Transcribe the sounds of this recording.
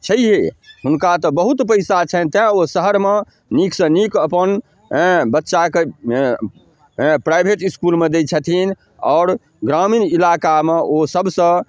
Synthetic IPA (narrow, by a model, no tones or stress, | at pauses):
t͡ʃʰəiɦeɦunkat̪ɔbəɦut̪pəɪsat͡ʃʰət̪ãosəɦəɾme | nikʰsə̃nikəpəñ | bətːʃake | pɾajbʱeʈiskulmed̪et͡ʃʰət̪ʰin | ɔ̰ːɾ | ɡɾaminilakameʔosəbsə̃